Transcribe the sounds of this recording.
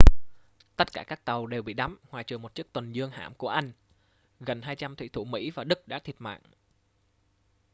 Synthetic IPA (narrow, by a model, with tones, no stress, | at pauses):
t̪ə˦˥t̚kaː˧˩kaː˦˥k̚t̪ə˨˩wɗe˨˩wɓḭ˧˨ɗa˨˦mhwaː˨˩jt͡ɕɨ˨˩mo˨˩t̚t͡ɕi˦˥ək̚t̪wə˨˩nzɨ˧əŋha̰ː˧˩mku˧˩əʔa˧jŋ̟ | ɣə˨˩nɦaː˧jt͡ɕa˧mt̪ʰwḭ˧˨˩t̪ʰu˧˩mḭ˧˥vaː˨˩ɗɨ˦˥k̚ɗa̰ː˧˥t̪ʰi˨˩ət̚ma̰ː˧˨ŋʔ